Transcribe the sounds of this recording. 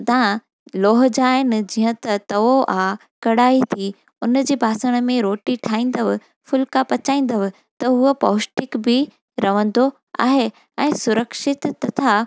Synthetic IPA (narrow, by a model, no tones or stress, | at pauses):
t̪ãː | loːɦ̆d͡ʑaːɦɪnɪ̆d͡ʑiːə̃t̪ɐt̪ɐʋoʔaː | kɐɽaːit̪ʰi | ʊn̆d͡ʑeːbʱaːsəɽ̃ə̆mẽɾoːʈiʈʰaːĩːn̆d̪əʋɪ̆ | fʊlkapɐt͡ɕaːĩːn̆d̪əʋɪ̆ | t̪ɐɦʊəpɔːsʈɪkbɪ | ɾɐʋə̃nd̪o | a̰ːɦe | ɛ̃ːsʊɾəkʃɪt̪ːɐt̪ʰa